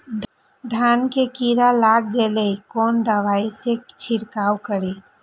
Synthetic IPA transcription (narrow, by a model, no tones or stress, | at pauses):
d̪ʱankekiɾalaɡːelɛikond̪əʋaiset͡ʃʰiɾkawkəɾe